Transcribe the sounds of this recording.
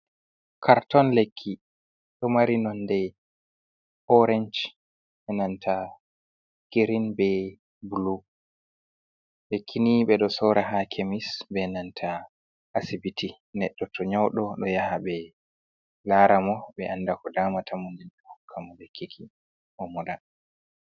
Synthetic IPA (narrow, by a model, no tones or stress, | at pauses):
kʰaɾtɔnlekʰːi | ɗɔmaɾinɔndɛ | ɔɾɛnd͡ʒ | ɓɛnantʰa | kiɾinbɛ | bulu | lekʰːiniɓɛɗɔsɔɾaɦakʰemisbɛnantʰa | ʔasibitʰi | nɛɗːɔtʰɔɲawɗɔɗɔjahabɛ | laɾamɔɓɛʔanːdakɔdaːmatʰamundɛnɛhɔkʰːamɔlɛkʰːikʰi | ʔɔmɔɗa